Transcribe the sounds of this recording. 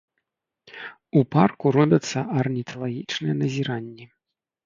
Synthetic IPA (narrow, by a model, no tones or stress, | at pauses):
uparkuɾɔbʲɐt̪sːɐʔɐrnʲit̪ʰɐlˠaɣʲit͡ʂnɨjɛnɐzʲiɾanʲːi